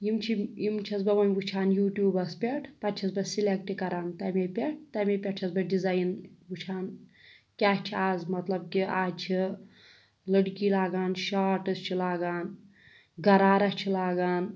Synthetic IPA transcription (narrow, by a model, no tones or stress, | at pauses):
jimt͡ʃʰijimt͡ʃʰɐsbɐʋɐnʲɡut͡ʃʰaːnjuːʈjuːbɐspʲeʈʰpɐt͡ʃʰɐsbɐsilek̚ʈikɐɾaːnt̪ɐmepʲeʈ̚ʰt̪ɐmepʲɐʈ̚t͡ʃʰɐsbɐɖizaːjnɡut͡ʃʰaːnkʲaːht͡ʃʰiaːzmɐt̪lɐb̚kiaːt͡ʃʰi | ləɽkilaːɡaːnʃaːʈɐst͡ʃʰilaːɡaːn | ɡɐɾaːɾɐst͡ʃʰilaːɡaːn